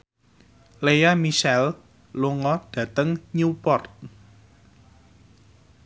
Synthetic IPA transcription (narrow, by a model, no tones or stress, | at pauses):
lejamiʃɛl | luŋɔɖ̥ä̤t̪əŋɲupɔrt̪̚